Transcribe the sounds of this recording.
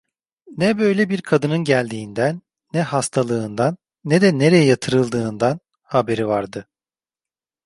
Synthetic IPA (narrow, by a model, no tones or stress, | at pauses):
nɛbø̞jlʲɛbiɾkʰad̪ɯnɯnɟælʲd̪iːnd̪ænː | ɛhast̪ʰalˠɯːnd̪anː | ɛd̪ɛne̞ɾejɛjat̪ʰɯɾɯlˠd̪ɯːnd̪an | habe̞ɾivaɾd̪ɯ